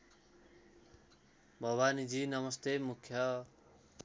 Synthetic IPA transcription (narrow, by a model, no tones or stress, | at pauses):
bʱʌwanid͡zinʌmʌst̪emukʰːjʌ